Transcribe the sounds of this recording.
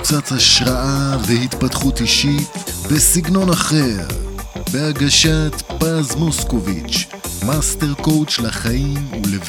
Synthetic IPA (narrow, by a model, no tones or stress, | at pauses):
t͡sat͡shaʃʁaʔavehit̪patχutiʃibesiɡno̞naχeʁbeaɡaʃat̪pazmoskovit͡ʃ | masteʁko̞wt͡ʃlaχajimulev